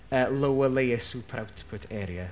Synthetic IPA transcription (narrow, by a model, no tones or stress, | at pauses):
əlowəlejəsupʰrawtʰə̥pʰʊtʰɛːɾia